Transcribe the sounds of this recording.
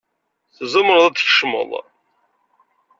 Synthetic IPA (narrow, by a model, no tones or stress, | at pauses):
θzˤəməɾˤðˤæt̪ːçə̥ʃmə̰lˤ